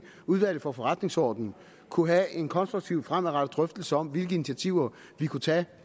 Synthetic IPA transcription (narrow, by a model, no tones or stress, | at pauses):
uð̞ˠʋæl̰ð̩ˠfɒ̽fɒ̽ʁad̥ne̝ŋsɒ̰ːd̥n̩ | kʰuɦæe̝nkʰɒ̽nsʁuɡ̚t͡sʰiʊ̰fʁamæʁɑ̈d̥əd̥ʁœfd̥l̩səɒ̽m̰ʋe̝lɡ̥əinit͡sʰæt͡sʰiʊ̰ɐ | ʋikʰut͡sʰɛ̰ː